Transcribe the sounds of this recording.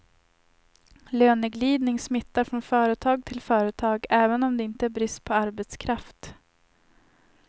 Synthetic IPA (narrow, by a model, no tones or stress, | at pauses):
løːnəɡliːd̪nɪŋsmɪt̪ːaɾfɾɔnfœːɾət̪ʰɑːɡ̚t̪ʰɪlfœːɾət̪ʰɑːɡɛːvənɔmd̪ɛɪnt̪əæɾbɾɪst̪̚pʰɔaɾbɛt̪skʰɾaft̪